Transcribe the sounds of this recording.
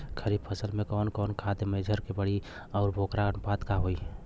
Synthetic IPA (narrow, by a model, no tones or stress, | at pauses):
kʰəɾib̚pʰəsəlmekɔːnkɔːnkʰad̪emeɪd͡ʒʱəɾkebəɽi | ɔʊɾbʱokɾanpat̪kaɦoi